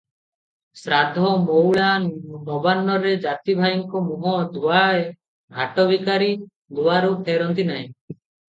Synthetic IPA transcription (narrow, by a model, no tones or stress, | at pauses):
sɾad̪ʱɔmowɭanbɔbanːɔɾed͡ʒat̪ibʱajiŋkɔmuɦɔd̪uae | ɡʱaʈɔbikaɾi | ɡ̪uwaɾup̪ʰeɾɔnt̪inaɦĩ